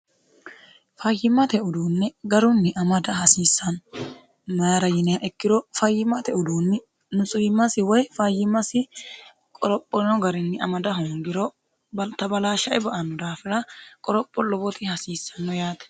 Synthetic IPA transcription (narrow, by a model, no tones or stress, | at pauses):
fɐjːɪmːɐt̪ɛʔʊd̪uːnːɛɡɐɾʊnːɪʔɐmɐd̪ɐhɐsiːsːɐn | mɐjaɾɐjɪnɛɐʔɛkːɪd̪ɔfɐjːɪmɐt̪ɛʔʊd̪uːnːɪ | nʊsʼʊjɪmːɐsɪwɔjfɐjːɪmːɐsɪ | kʼɔɾɔpʼːɔnɔɡɐɾɪnːɪɐmɐd̪ɐɦɔŋɡɪɾɔ | bt̪ɐbɐlaːʃɐʔɛbɐʔɐnːɔd̪aːfɪɾɐkʼɔɾɔpʼːɔlɔbɔt̪ʰɪhɐsiːsːɐnːɔjaːt̪ɛ̥